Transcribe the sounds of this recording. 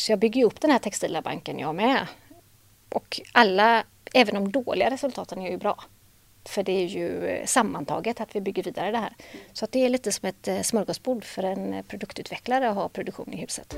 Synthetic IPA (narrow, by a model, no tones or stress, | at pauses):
sɔjɑːɡbʏɡːəɾjʏɵpːd̪ɛnhæːʈʰɛkst̪iːlaba̰ŋkənjɑ̰ːmɛ | ʔɔkalːa | ɛːvənɔmd̪oːɭɪɡaɾɛsɵlt̪ʰɑːt̪ənæjɛɾjʉbɾɑ̰ː | fœɖɛæɾjɵ̰samːant̪ʰɑ̰ːɡət̪at̪vɪbʏɡːəɾviːd̪aɾəd̪ɛhæ̰ːɾsɔat̪̚d̪ɛæɭiːt̪əsɔmɛt̪smœɾɡɔsbuːɖ̪fœɾɛnpʰɾʊd̪ɵkt̪ʉːt̪ʰvɛklaɾəɔɦɑːpʰɾʊd̪ɵkɧṵːnɪhʉ̟ːsət̪